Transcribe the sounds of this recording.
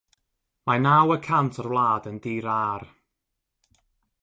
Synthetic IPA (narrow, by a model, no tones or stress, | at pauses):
manawəkʰantʰɔrwlˠaːdəndiːɾar